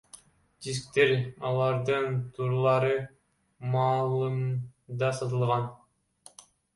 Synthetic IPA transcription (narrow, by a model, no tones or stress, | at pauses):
d͡ʒis̬k̚t̪e̞ɾɑlˠɑɾd̪ɯnt̪ʰuɾlˠɑɾɯ | mɑːlˠɯmd̪ɑsɑt̪ɯlˠʁɑn